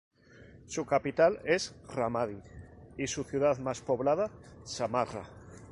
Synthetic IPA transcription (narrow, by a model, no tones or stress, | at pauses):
sukapit̪alesramaðiisuθjuð̞aðmaspo̞βlað̞asamara̰